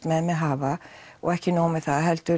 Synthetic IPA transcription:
t̪mɛðmɛðɦaːvaɔ̰ɣɛhcɪnoːwmɛðθaðaɦɛlt̪ʏ

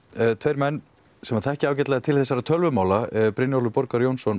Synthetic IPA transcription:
t̪ʰvejɾmɛnː | sɛmaθɛhcɪaːwcɛt̪laðt̪ʰɪlθɛsːaɾat̪ʰœlvʏmaːwlapɾɪnjowlʏpɔɾkaɾjownsɔn

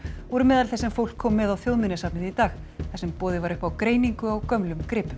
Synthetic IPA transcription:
vɔɾʏmɛːðalθɛsɛmfowl̥kʰːɔːmːɛðawθjoːwðmɪnɪsaːpnɪθit̪aːxθɛsɛmpɔːðɪvaɾʏhpawkɾeːjniŋkʏawkœmlʏmkɾɪːpʏm

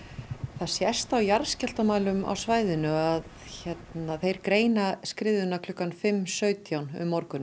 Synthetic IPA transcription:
θaðsjɛst̪awjaɾscɛl̥t̪amaːlʏma̰wsvaːjðɪnʏað | çɛt̪naθejɾ̥kɾeːjnaskɾɪːðʏnakʰlʏkːanfɪmːsœːɥt̪jawnʏ̰mːɔɾkʏn

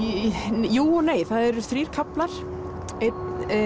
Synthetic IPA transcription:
juːɔneːjθaðɛɾsθɾiːɾ̥kʰaplaɾ̥ | et̪

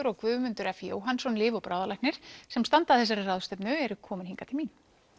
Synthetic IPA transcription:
ʏɾɔɣkvʏːvʏmʏnt̪ʏɾɛfijo̰ːwɦansɔnlɪːvɔpɾaːwðalajknɪɾ̥sɛmst̪ant̪aθɛs̬ːaɾɪrawðst̪ɛpnʏɛɾʏkʰɔːmɪnhiŋkat̪ʰɪlmin

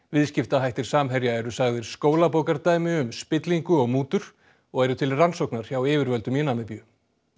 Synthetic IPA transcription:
vɪðscɪft̪aɦajht̪ɪɾ̥saːmɦɛɾjaɛɾʏsaɣðɪɾ̥skoːwlapoːwkaɾt̪aːjmɪʏmspɪt̪liŋkʏɔɣmuːt̪ʏɾ̥ | ɔɣɛɾʏt̪ʰɪlransowknaɾ̥çawɪːvɪɾvœlt̪ʏmɪnamɪpjʏ

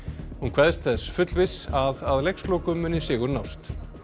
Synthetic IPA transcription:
hunkʰvɛðst̪θɛsfʏt̪lvɪsaðaðlejkslowkʏmːʏnːɪsɪːɣʏɾnawst̪

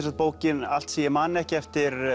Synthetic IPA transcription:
sat̪̚poːwcɪnal̥t̪siːjɪmanːɛhcɪɛft̪ɪɾ

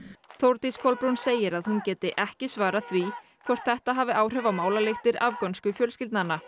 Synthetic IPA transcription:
θowɾt̪iskʰɔlpɾunseːjɪɾaðhuncɛːt̪ɪʔɛhcɪsvaːɾaθvikʰvɔr̥t̪θɛht̪aɦaːvɪʔaːwr̥œːvamaːwlalɪxt̪ɪɾa̰vkɔnskʏfjœlscɪlt̪nanːa

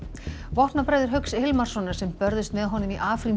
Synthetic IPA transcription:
vɔht̪napɾaːjðɪɾ̥ɦœɥksɪhɪlmar̥sɔnːaɾ̥sɛmpœɾðɪst̪mɛðɦɔnːʏmiʔaːflim

